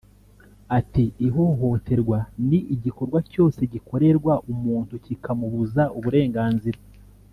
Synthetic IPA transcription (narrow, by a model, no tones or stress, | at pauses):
atiiɦo̞ɦo̞te̞ɾɡwaniʔiɟiko̞ɾɡwaco̞ːse̞ɟiko̞ɾe̞ɾɡwaʔumuːntucikamuβuzauβuɾe̞ːŋɡaːnziɾa